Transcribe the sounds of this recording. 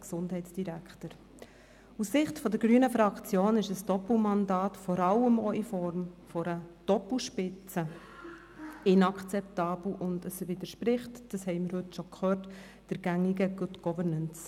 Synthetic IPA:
ksʊnd̥ɦɛɪtsd̥iɾæktəɾ | usːɪχtfɔdəɾɡɾyːənəfɾɑkt͡sjoːnɪʃəsd̥ɔpl̩mɑndɑːtfɔɾɑləmoifɔɾmfɔɾəd̥ɔpl̩ʃpɪt͡sə | ɪnɑkʰt͡sɛptɑːb̥l̩ʔʊndəsəʋɪd̪əɾʃpɾɪχtd̥ɑshɛɪməɾhɵtʃokʰχøːt | d̥əɾɡ̥æŋiɡəɡ̥ʊtɡ̥ɔvəɾnəns

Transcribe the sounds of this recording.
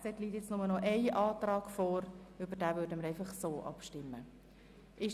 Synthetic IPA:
sɛtliːtjɛt͡snʊmənɔʔɛɪʔɑːtrɑːɡ̥foːɾybəɾd̥æːvøːɾdəməɾɛɪfɑχsoːʔɑ̰pʃtɪmːə | ʔɪʃ

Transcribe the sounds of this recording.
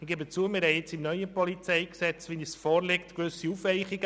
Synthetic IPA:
iɡ̥eːbət͡suəmɪɾhɛɪt͡simnœʏjəpɔlit͡sɛɪksɛt͡sʋinisfɔːɾlekt̪kʋøsiufʋɛɪχiɡə

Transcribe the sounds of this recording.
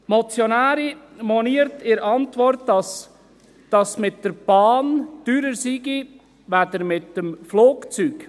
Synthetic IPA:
mɔt͡sjonæːɾi | mɔniːəɾtɪɾɑntʋɔɾtɑs | d̥ɑsmɪtdəɾb̥ɑːnd̥yːɾəɾsiɡi | ʋædəɾmɪtəmfloːkt͡syːk

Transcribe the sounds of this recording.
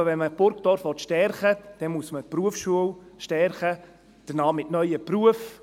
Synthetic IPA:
ʋɛnməb̥ʊɾkt̪ɔːɾfʋɔt̪ʃtɛɾχəd̥ɛnmuəsməpɾuəfsʃuəw | ʃtɛɾχə | d̪̥ənɑːmɪtnœʏəpruəf

